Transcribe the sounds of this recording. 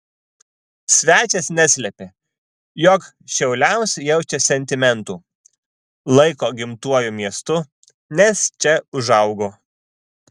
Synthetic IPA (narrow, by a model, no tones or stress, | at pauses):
sʲʋʲæːt͡ʃʲɛsnʲæsʲlʲɛpʲe | jɔk | ʃʲɛʊlʲæʊsʲjɛʊt͡ʃʲɛsʲɛnʲt̪ʲɪmʲɛnt̪uː | lˠɐɪkoːɡʲɪmt̪uɔjumʲiɛst̪ʊ | nʲɛst͡ʃʲɛʊʒɐʊɡoː